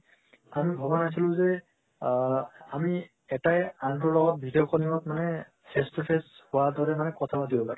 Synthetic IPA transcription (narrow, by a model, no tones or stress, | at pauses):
amibʱɔbɔnajs̬ilʊ̃zɛ | ami | ɛtajaŋtɔɹlɔɡɔt̚bʱidiɔkʰɔnimɔtmanɛ | pʰestɔpʰeshʊwadɔɹɛmanɛkɔtʰabadibɔpaɹɛ